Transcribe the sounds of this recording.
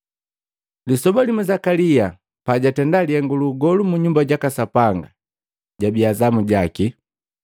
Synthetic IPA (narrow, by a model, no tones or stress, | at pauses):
lisɔbalimuzakalia | paɟatɛndaliɛŋɡuluɡɔlumuɲumbaɟakasapaŋɡa | ɟabiazamuɟaki